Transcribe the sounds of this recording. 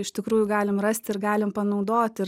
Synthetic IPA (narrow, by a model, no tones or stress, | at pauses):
ɪʃt̪ʲɪkɾuːjʊɡɑːlʲɪmrɐsʲt̪ʲɪɾɡɑːlʲɪmpɐnɐʊd̪oːt̪ʲɪ